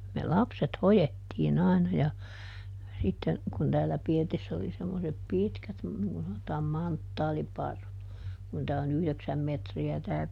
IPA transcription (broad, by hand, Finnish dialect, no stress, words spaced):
me lɑpset hojetːiːn ɑˑinɑ jɑ sitːen kun tæːlːæ pirtisː oli semːosep pitkæt niŋ kun sɑnotɑːm mɑntːɑːlipɑrːut kun tæː on yhleksæm metriæ tæː